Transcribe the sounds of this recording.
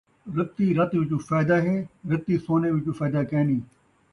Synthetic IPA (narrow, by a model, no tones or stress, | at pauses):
ɾɪp̚t̪iːɾɐt̪ʋɪt͡ʃuːfaːd̪aːɦeːɾɪt̪iːsoːneːʋɪt͡ʃufaːd̪aːkeːniː